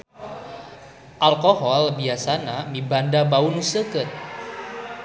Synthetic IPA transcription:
ʔalkohɔlbiasanamibandabaunusəkət̪̚

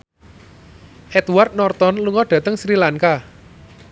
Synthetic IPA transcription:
ʔɛt̪wart̪̚nɔrt̪ɔnluŋɔɖ̥ä̤t̪əŋsɾilaŋka

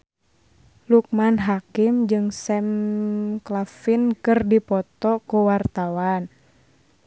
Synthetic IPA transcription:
luk̚manɦakɪmd͡ʒɨŋsɛm | klafinkɨrdipɔt̪ɔkuwart̪awan

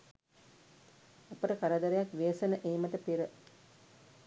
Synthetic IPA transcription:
ɐpəʈəkaɾad̪ɐɾejakʋeːsɐnəʔeːmɐʈəpiɾə

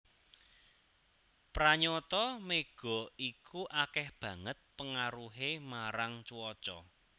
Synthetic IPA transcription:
pɾaɲɔt̪ɔmeɡ̥ɔ̤ikʰuʔakɛhb̥ä̤ŋət̪̚pəŋaɾuɦemaɾaŋt͡ʃuwɔt͡ʃɔ̰

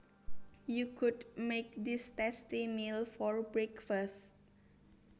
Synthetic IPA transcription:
jukʰudmek̚d̪istɛstimilfɔɹbɹɛkfəst̚

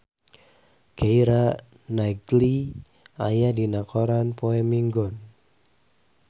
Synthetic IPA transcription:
ɡ̥aiɾa | naɡli | ajadinakɔɾanpoɛmiŋɡɔn

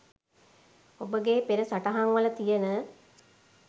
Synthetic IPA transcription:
obəɡepeɾəsaʈaɦaŋʋələt̪ijənə

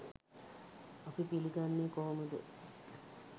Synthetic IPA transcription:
apipiliɡanːekoːməd̪ə̰

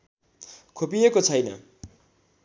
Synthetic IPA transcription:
kʰopijekot͡sʰʌjnʌ̰

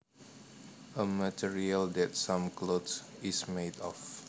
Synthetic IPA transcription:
əmətʰiɹiəldɛt̚sãmklotsismedɔf

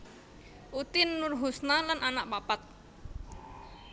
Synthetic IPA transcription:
ʔut̪ɪnːʊrɦusnalanʔanaʔpapat̪̚

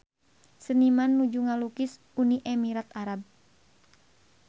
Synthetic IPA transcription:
sənimanːud͡ʒuŋalukɪs | uniʔɛmiɾat̪aɾab̚

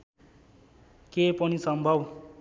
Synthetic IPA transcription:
kepʌnisʌmbʱʌb

